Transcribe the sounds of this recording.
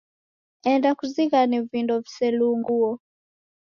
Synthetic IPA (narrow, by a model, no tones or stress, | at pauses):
ɛndakuziɣanivindɔvisɛluŋɡuɔ